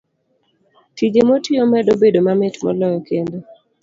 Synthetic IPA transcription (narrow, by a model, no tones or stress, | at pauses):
tid͡ʒemotiomɛdobedomamɛtmɔ̰lɔjɔkendo